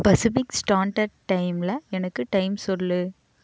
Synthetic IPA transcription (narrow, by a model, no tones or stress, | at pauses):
pɐsɪfɪksʈaːɳʈɐɾʈːɐɪmlɐɛnɐkːɯʈɐɪmsɔllɯ